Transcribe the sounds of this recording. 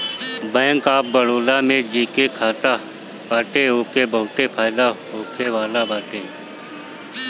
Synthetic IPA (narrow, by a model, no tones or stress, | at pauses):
bɛ̃ːŋkaːp̚bəɽoːlaːmẽd͡ʒiːkekʰaːt̪a | baːʈeːɦoːkeːbəɦʊt̪epʰaːɪd̪aːɦoːkʰeʋaːlabaːʈeː